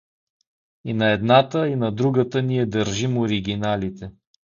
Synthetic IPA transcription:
inɐɛd̪nat̪əinɐd̪ɾuɡət̪əniɛd̪əɾʒimoɾiɡʲinalit̪ɛ

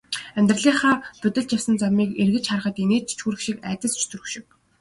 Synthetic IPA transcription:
æmʲt̪r̆ɮiːχaːpɵt̪ɘ̆ɮt͡ɕ̪jawsə̆nt͡samiːkerɣɘ̆t͡ɕχarə̆χə̆t̪ineːt͡ɕt͡ɕʰxuːɾɘ̆xʃikæ̰ːt̪ʲə̆st͡ɕʰt̪ʰɵɾɵ̆xʃɪ̆w

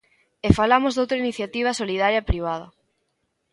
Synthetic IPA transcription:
efalamozðowt̪ɾainiθjat̪iβ̞ɐsoliðaɾjapɾiβ̞að̞ɐ

